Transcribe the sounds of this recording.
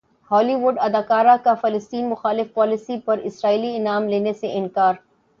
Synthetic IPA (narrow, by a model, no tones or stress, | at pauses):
hɔːliʋʊɖɐd̪aːkaːɾakafɐləst̪iːnmʊxaːlɪfpɔːlɪsipɐɾɪsɾaːiːliɪnaːmleːneseʔɪnkaːɾ